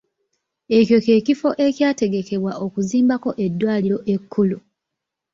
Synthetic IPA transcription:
e̞cjo̞ce̞ːcifo̞ʔe̞cjaːte̞ɡe̞ke̞βwaʔo̞kuziːmbako̞ʔe̞dːwaːliɾo̞ʔe̞kʰːulu

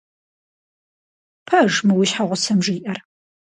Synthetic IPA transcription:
pʰɐʒmɨwiɕħaʁʷʊsɐmʒiːʔɐr

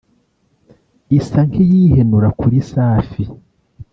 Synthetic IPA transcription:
isaŋkʰejiːhenuɾakuɾisaːfi

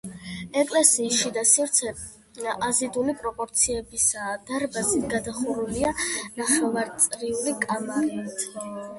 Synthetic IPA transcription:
ɛkʼlɛsiːsʃid̪asiɾt̪sʰɛ | azid̪ulipʼɾɔpʼɔɾt̪sʰiɛbisaːd̪̥aɾbazit̪ʰɡad̪aχuɾulianaχɛvaɾt̪sʼɾiulikʼamaɾɛit̪ʰ

